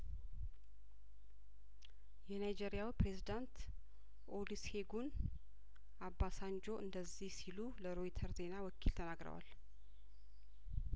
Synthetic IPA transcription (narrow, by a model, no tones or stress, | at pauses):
jɛnajd͡ʒe̞ɾijawipɾe̞zid̪ant̪ | ʔolishe̞ɡun | abːasand͡ʒo̞ʔɨnd̪əzːihsiluləɾo̞jt̪ʰəɾze̞nawɔkʰilt̪ʰənaɡɾə̰wa̰l